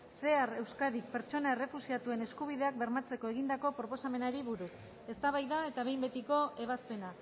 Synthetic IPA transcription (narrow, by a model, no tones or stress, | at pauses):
se̞are̞wskaðik̚pe̞ɾt͡ʃo̞nae̞re̞fusiat̪ue̞neskuβ̞iðe̞ak̚be̞ɾmat͡se̞ko̞e̞ɣind̪ako̞pɾo̞po̞same̞naɾiβuɾus | e̞st̪aβajðae̞t̪aβe̞jmbe̞t̪iko̞e̞β̞aspe̞na